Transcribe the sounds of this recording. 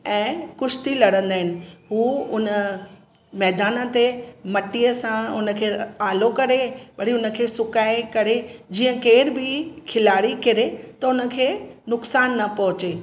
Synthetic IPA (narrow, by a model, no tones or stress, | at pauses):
ɛ̃ːkʊʃt̪ilɐɽə̃nd̪aːɦɪnɪ̆ɦuːʊnə | mɛːd̪aːnə̆t̪emɐʈiəsãʊnə̆kʰeːaːlokɐɾeʋɐɽ̤iʊnə̆kʰeːsʊkaːekɐɾed͡ʑiːə̃keːɾbɪkʰɪlaːɽikɪɾet̪ɐʊnə̆kʰeːnʊksaːnːɐpɐɦʊt͡ɕe